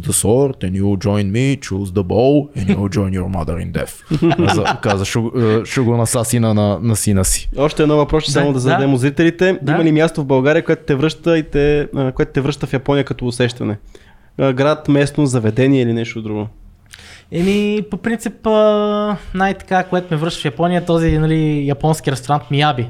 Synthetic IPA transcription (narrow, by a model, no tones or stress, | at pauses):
d̪əsɔɾt̪ɛnulˠd͡ʒɔjnmit͡ʃuzd̪əbolˠɛnjulˠd͡ʒɔjnjɔɾma̰d̪ə̰ɾḭnd̪ɛ̰fɐkazəʃɛʃɛɡonɐsasinənɐnɐsinəsi̥ɔʃt̪ɛd̪nɔvɐpɾɔssamod̪ɐzd̪d̪ɛmʊzɾit̪ɛlit̪ɛd̪ɐimɐlimʲjast̪ovbɐlˠɡaɾijəkoɛt̪ʊ̥t̪ɛvɾɤʃt̪əit̪ɛkoɛt̪ʊ̥t̪ɛvɾɤʃt̪əfjɐpɔnijəkɐt̪ɔʊsɛʃt̪ɐnɛ | ɡɾat̪mɛsnozɐvɛd̪ɛniɛilinɛʃt̪od̪ɾuɡo | ɛmipopɾint̪sipə | najt̪ɐ̥kakoɛt̪omɛvɾəʃt̪ə̥fjɐpɔnijət̪ɔzinɐlijɐpɔnskʲiɾɛst̪oɾant̪miabi